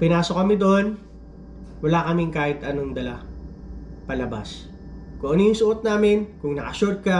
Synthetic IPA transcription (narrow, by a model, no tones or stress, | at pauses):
pɪnaːso̞kɐmɪd̪oʔon | wɐlaːkɐmɪŋkaːhɪt̪ʔɐnoŋd̪ɐla | pɐlɐba̰s | kʊoʔonijʊŋsʊʔot̪̚naːmɪnkʊŋnɐkɐʃʊɹd̪̚kɐ